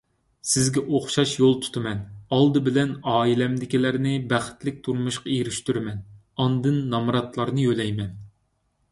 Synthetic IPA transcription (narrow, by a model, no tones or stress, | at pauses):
sɪzɡʲɛʔoχʃɑʃjolˠt̪ʰu̥t̪ʰɨmɛnɑlˠd̪ɨbɪlɛnɑːilɛmd̪ɪkʲilæɾnɪbæχɪ̥t̪lɪk̚ʲt̪ʰuɾmuʃqɑeɾyʃt̪yɾmɛn | ɑnd̪ɨnːɑmɾɑt̪lˠɑɾnɨjølɛjmɛn